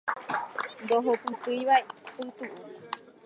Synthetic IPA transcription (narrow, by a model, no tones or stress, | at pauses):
nd̪oɦopɨt̪ɨjʋaepɨt̪uʔu